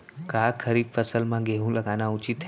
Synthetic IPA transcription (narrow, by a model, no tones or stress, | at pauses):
kakʰəɾifəsəlmãɡeɦũləɡanãʊt͡ʃit̪ʰː